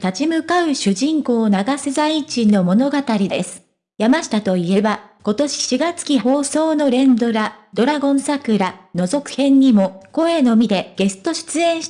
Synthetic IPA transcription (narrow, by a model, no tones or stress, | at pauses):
t̪at͡ɕimɯ̟kaɯ̟ɕɨʑĩŋko̞ːnaɡasezait͡ɕino̞mo̞no̞ɡat̪aɾʲidd̪e̞sɨ̥ | jamaɕi̥t̪at̪o̞ie̞bako̞t̪o̞ɕi̥ɕiɡat͡sɨ̥kʲiho̞ːso̞ːno̞ɾẽ̞nd̪o̞ɾad̪o̞ɾaɡõ̞ɰ̃sakɯ̟ɾano̞zo̞kɯ̟̥hẽ̞ɲ̟ːimo̞ko̞e̞no̞mʲid̪e̞ɡ̥e̞sɨ̥t̪o̞ɕɨ̥t͡sɨẽ̞ɰ̃ɕ